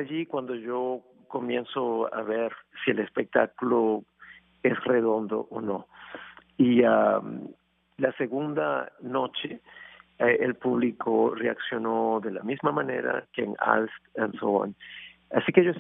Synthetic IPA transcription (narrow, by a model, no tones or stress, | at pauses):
aʎikwand̪oʝo | komjensoa̰βeɾsielespek̚t̪aklo | esreðo̞nd̪o̞̰ʔono̞ | iam | laseɣund̪a̰no̞t͡ʃe | elpuβlikʰoreaksjo̞noðela̰mizmamãne̞̰ɾa̰keːŋa̰lst̪ansowa̰nasikeʝo